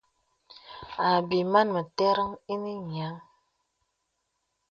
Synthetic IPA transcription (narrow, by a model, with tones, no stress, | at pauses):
a˨bi˨ma˦nmə˨tɛ˦ɾə˦ŋi˦ni˦ɲ˨a˨˦ŋ